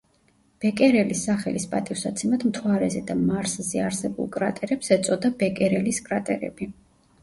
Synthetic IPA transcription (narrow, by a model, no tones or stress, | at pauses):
b̥ɛkʼɛɾɛlisːaχɛlispʼa̰t̪ʼifsat̪sʰɛmad̪mt̪ʰwaɾɛzɛd̪amaɾszɛaɾsɛbṵlˠkʼɾat̪ʼɛɾɛpsɛt̪sʼɔd̪abɛkʼɛɾɛliskʼɾat̪ʼɛɾɛ̰b̥i